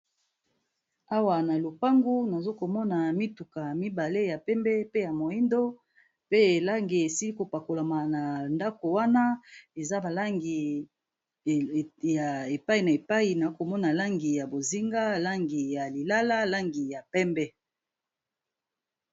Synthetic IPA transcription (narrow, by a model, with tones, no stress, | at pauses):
a˦wa˨na˨lo˨pa˦ŋɡu˦na˨zo˦ko˨mɔ˦na˨mi˦tu˨ka˨mi˦ba˨le˦ja˨pɛ˦mbɛ˦pe˦ja˨mo˨i˦ndo˦ | pe˦e˨la˦ŋɡe˨e˨si˦li˦ko˨pa˨ko˨la˨ma˨na˨nda˦ko˨wa˦na˦e˨za˦ba˨la˦ŋɡi˨ | ja˨e˨pa˦i˨na˨e˨pa˦i˨na˨o˦ko˨mɔ˦na˨la˦ŋɡi˨ja˨bo˨zi˦ŋɡa˦la˦ŋɡi˨ja˨li˨la˦la˦la˦ŋɡi˨ja˨pɛ˦mbɛ˦